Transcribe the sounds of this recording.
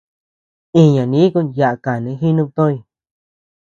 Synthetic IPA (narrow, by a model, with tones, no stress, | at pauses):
ĩ˧˨ɲã˨nĩ˨˦kũ˦nja˧ʔa˧˨ka˨nẽ˨˧˦ɦi˦nũ˦˧p̚t̪õ˦ĩ˧˨